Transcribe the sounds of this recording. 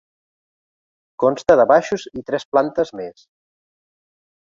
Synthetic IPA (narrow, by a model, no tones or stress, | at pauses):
konst̪əðəβaʃuzit̪ɾɛsplant̪əzmes